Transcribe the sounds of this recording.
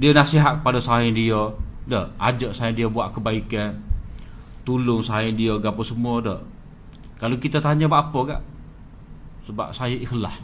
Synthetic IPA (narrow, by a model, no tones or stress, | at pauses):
diənasiɦat̪̚kəpadasaɪndiədəad͡ʒəʔsaɪndiəbuaʔkəbaikan | t̪ulʊŋsaɪndiəɡapəsəmuədə̰ | kalokit̪at̪aɲəbaʔapəɡa̰ʔ | səba̰p̚sajəʔixlah